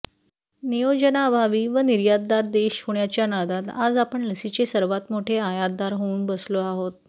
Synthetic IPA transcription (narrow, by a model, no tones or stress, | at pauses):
nijod͡ʑənaəbʱaʋiːʋəniɾjad̪̚d̪aɾd̪eɕhoɳjat͡ɕjanad̪at̪ad͡zapəɳləsit͡ɕesəɾʋat̪moʈʰeajat̪̚d̪aɾɦouːnbəsloaɦot̪̚